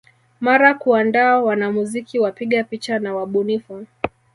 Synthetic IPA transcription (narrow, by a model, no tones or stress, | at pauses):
maɾakuandaːwanamuzikiwapiɠapit͡ʃanawaɓunifu